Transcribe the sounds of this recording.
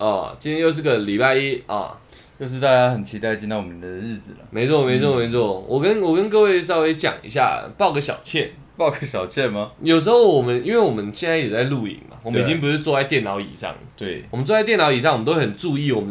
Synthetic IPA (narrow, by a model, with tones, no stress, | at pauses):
ɔ̰˩t͡ɕi˥jɛ˥jo˥˧ʊ˥˧ɡə˨li˨˩pa˥˧ɪi˦ɔ̰˨˩ | jjo˥˧ʊʂ̬ɻ̩˥˧t̪a˥˧˩t͡ɕja˥xə˨˩nt͡ɕʰi˧˥t̪a˥˧ɪt͡ɕi˥˧t̪ɑ˥˩wɔ˨˩m˧˥˧ɻɻ̩˥˩d͡zɹ̩˨˩lə̰˩me˧˥ɪt͡sʰɔ˥˩me˧ɪt͡sʰɔ˥˩˨me˧˥ɪt͡sʰwɔ˥˩wʔɔ˨˩kə˦˥nwɔ˨˩kə˥nk̬ɤ˥˧we˥˧ɪʂ̬ɑ˥ʊwe˥ɪt͡ɕjɑ̰˨˩ŋḭ˧˥ɕja̰˥˨pɑ˥˧ʊɡə˧˩ɕ̬jɑ̰˨˩ʊt͡ɕʰjɛ˥˩n | pɑ˥˧ʊɡə˨˩ɕjɑ˨˩ʊt͡ɕʰjɛ˥˩nma˨˩jo˨˩ʊʂ̬ɻ̩˧˥xo˥˩ʊwɔ˨˩mə˦ni˥nwe˥˩ɪwɔ˨˩mə˦nɕjɛ˥nt͡sa˧˥ɪjɛ˨˩t͡sa˥˧ɪlu˥˩ḭ˨˩ŋma̰˨˩wɔ˨mə˦ni˨t͡ɕĩ˦˥ŋp̬u˧˥ʂɻ̩˥˧t͡swɔ˥˧˥t͡sa˥˧ɪt̪jɛ˥˩nɑ˨˥˦ʊḭ˨˩ʂɑ̰˥˩ŋə˩t̪we˥˩ɪwmə˦t͡swɔ˥˧t͡sa˥˧t̪jɛ˥˩nɑ˧˥ʊi˨˩ʂɑ˥˩ŋ˨˩ə˦nt̪o˥˩ə˨˩nʈ͡ʂu˥˧i˥˩wɔ˨˩mə˦